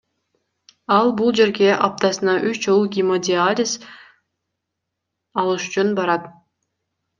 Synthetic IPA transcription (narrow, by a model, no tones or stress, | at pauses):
ɑlˠbulˠd͡ʒe̞ɾɡe̞ʔɑp̚t̪ɑsɯnɑʔyt͡ʃd͡ʒolˠɡʲimodʲɪalʲɪs | ɑlˠɯʃyt͡ʃunbɑɾɑt̪